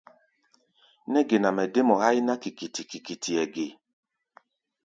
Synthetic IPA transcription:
nɛ˦ɡe˨na˨mɛ˨de˦mɔ˨ha˦i˦na˦ki˨ki˨ti˨ki˨ki˨tʰi˨ɛ˨ɡe˨

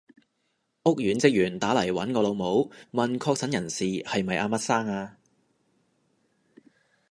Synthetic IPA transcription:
ʔʊ˥k̚jyː˨˥nt͡sɪ˥k̚jyː˨˩nt̪aː˨˥lɐ˨˩jwɐ̰˨˥nkɔː˧lo˨˧wmo˨˥wmɐ˨nkʰɔː˧k̚sʰɐ˨˥njɐ˨˩nsiː˨hɐ˨jmɐ˨jʔaː˧mɐ˥t̚saː˥ŋaː˧

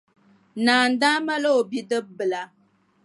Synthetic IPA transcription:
naː˨n̩˨da˦ma˦lo˦o˨bi˦dɨ˦bbɨ˨la˨

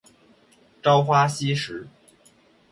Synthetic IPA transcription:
ʈ͡ʂɑ˥ʊxwa˥ɕi˥ʂɻ̩˧˥

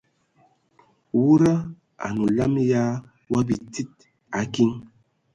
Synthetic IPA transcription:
wu˦ɾa˦ | a̰˨nu˨la˦mja˦ | wa˦bi˨ti˦t̚ | a˨˦ki˦ŋ

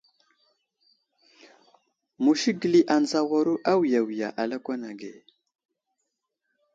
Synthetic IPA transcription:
mu˨ʃi˦ɡə˨li˦ʔa˨n˨za˨wa˦ɾu˦ʔa˦wi˨ja˨wi˨ja̰˨ʔa˨la˦kʷa˦na˨ɡe˨

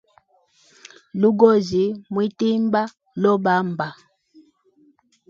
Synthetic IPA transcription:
lu˦ɡɔ˦˨zi˨mwi˦ti˦mba˦ | lɔ˦ba˨˦mba˨

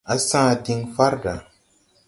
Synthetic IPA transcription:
a˨sã˦˨ti˧ŋfa˦ɾda˨

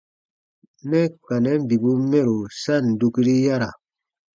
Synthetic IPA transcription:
nɛ˦ka˨nɛ˦m̩˦bi˨bu˦mɛ˦˨ɾo˨sa˦n̩˨du˦kɾi˦ja˦ɾa˨

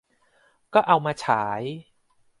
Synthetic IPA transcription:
kɔː˥˩ʔa˧wmaː˧t͡ɕʰaː˩˦j

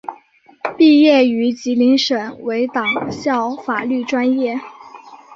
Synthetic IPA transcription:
pi˥˧jɛ˥˩y˧˥t͡ɕi˧˥li˧˥ŋʂə˨˩ŋwe˧˥ɪt̪ɑ˨˩ŋɕjɑ˥˩ʊfa˨˩ly˥˩ʈ͡ʂwa˥njɛ˥˩

